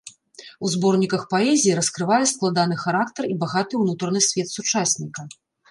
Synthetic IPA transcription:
uzbɔrnʲikɐxpaɛzʲijːɾɐskɾɨvajɛsklˠad̪an̪ɨxaɾakt̪ɐribaɣat̪ɨwnut̪ɾɐnɨsʲvʲɛt̪sut͡ʂasʲnʲikɐ

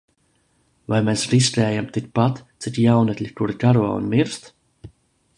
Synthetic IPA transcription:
vajmeːsɾiskʲɛːjamt̪ik̚pat̪t̪sit̪jawnɛt̪ʲlʲikuɾɡaɾuɔṵnmiɾst̪

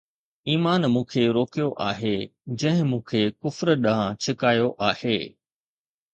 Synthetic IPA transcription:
iːmaːnmũːkʰeɾoːkijoʔaːɦed͡ʑɐ̃ɦɪ̃mũːkʰekʊfɾɗɐɦãt͡ɕʰɪkaːjoʔaːheː

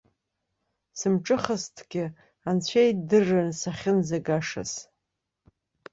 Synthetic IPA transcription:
sɨmʈ͡ʂʼɨχastʰɡʲɪ | ant͡ɕʷʰejdɨrːɨnsaχʲɪnzaɡaʂa̰s

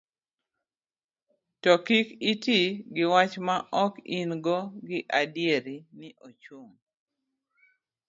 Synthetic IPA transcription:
tɔkikitiɡɪwat͡ʃmaʔɔkinɡɔɡɪʔadjeɾinɪʔot͡ʃwoŋ

